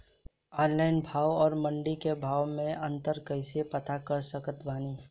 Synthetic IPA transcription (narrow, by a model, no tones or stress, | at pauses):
aːɾlaɪnbʱaːwɔːɾmə̃ɳɖikebʱaːwmẽə̃nt̪əɾkəɪsepɐt̪akəɾsəkət̪baːniː